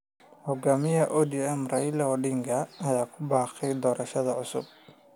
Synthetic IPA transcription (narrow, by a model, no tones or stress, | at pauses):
hɔɡaːmɪjɐʔɔd̪iɛmrɐjlɐɔɖɪŋɡʰɐɐjaːkʰʊbaːqɛjd̪ɔːɾɐʃɐðɐʕʊsʊ̰b̚